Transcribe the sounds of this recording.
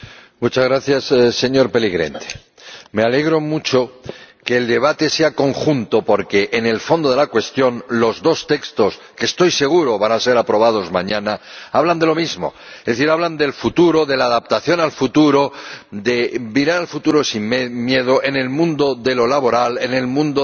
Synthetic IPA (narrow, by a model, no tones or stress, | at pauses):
mut͡ʃazɣɾaθjasse̞ɲo̞ɾpe̞liɣɾe̞̰nt̪e̥ | me̞ale̞ɣɾo̞mut͡ʃo̞ke̞ːld̪e̞β̞at̪e̞seako̞ŋxunt̪o̞po̞ɾke̞ʔːne̞lfo̞nd̪o̞ðelakwe̞st̪jo̞nlo̞zðo̞st̪e̞kst̪o̞skest̪o̞jse̞ɣ̞uɾo̞βanase̞ɾapɾo̞βað̞o̞zmãɲãnaaβland̪e̞lo̞mizmo̞̰ | ezðeθiɾaβ̞land̪e̞lfut̪uɾo̞ðe̞laːðap̚t̪aθjo̞nalfut̪uɾo̞d̪e̞biɾaɾalfut̪uɾo̞sinmje̞ð̞o̞ʔe̞ne̞lmũnd̪o̞ðe̞lo̞laβo̞ɾale̞ne̞lmũnd̪o